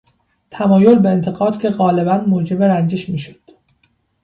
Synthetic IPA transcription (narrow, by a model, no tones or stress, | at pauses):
t̪ʰæmɒːjo̞lbeːnt̪ʰe̞ɣɒːd̪̥cʲʰe̞ɣɒːle̞bænmoːd͡ʒe̞beɾænd͡ʒeʃmiːʃo̥d̪̥